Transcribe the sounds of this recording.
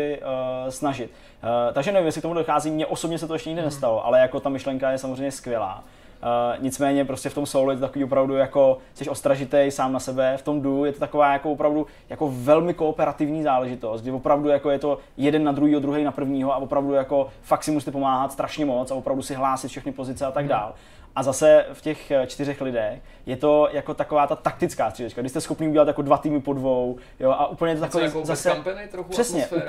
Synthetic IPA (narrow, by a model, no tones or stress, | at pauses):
ɪsnaʒɪt̪̚ː | t̪ːaɡʒɛnɛvimjɛsɪkt̪omudoxaːziːmɲɛʔo̞sobɲɛs̬ɛt̪oɛʃcɛɲɪɡdɪnɛst̪aloʔa̰lɛjako̞t̪amɪʃlɛŋkajɛsamozrɛjɲɛskvʲjɛla̰ː | ɲɪt͡smɛːɲɛpɾoscɛft̪o̞msoːlujɛt̪ot̪akoviːvo̞pɾavdujako̞sɛʃʔost̪ɾaʒɪt̪ɛjsaːmnasɛbɛft̪o̞mdujɛt̪o̞t̪akovaːjakovopɾavdu | jako̞vɛlmɪko̞ːpɛɾat̪ɪvɲiːzaːlɛʒɪt̪o̞st̪̚ɡdɪvo̞pɾavdujakojɛt̪o̞jɛdɛnːad̪ɾuɦiːɦodɾuɦɛjnapr̩vɲiːɦoavopɾavdujako̞faktsɪmus̬it̪ɛpomaːɦat̪st̪ɾaʃɲɛmo̞t͡savo̞pɾavdusɪɦlaːsɪt̪fʃɛxnɪpo̞zɪt͡sɛat̪aɡdaːl | ʔazasɛfcɛxt͡ʃt̪ɪrɛxlɪdɛx | jɛt̪o̞jako̞t̪ako̞vaːt̪at̪ak̚t̪ɪt͡skaːst̪r̥idat͡ʃkaɡdɪʃst̪ɛsxopniːuɟɛlat̪jakodvat̪iːmɪpo̞dvow | joʔaʔupl̩ɲɛjɛt̪t̪akovɛzasɛnɛjt̪ɾoxr̥ɛsɲɛ